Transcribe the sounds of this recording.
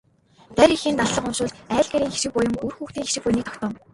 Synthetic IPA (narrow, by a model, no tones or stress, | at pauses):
t̪æɾʲixiːnt̪aɮːə̆qʊnʃʊːt̪æːɮɡeɾʲiːŋxiʃɪ̆k̚pʊjʊ̆murxuːxt̪iːŋxiʃɪ̆k̚pujnik̚t̪ʰkt̪ɔːm